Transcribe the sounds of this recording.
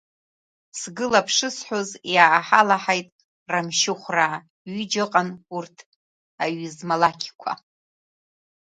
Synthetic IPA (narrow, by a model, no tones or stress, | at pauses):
sɡɨlapʰʂɨsħʷozjaħalaħajtʼ | ramʃɪχʷraː | ɥid͡ʒaqʼanurtʰ | aɥzmalakʲʰkʷʰa̰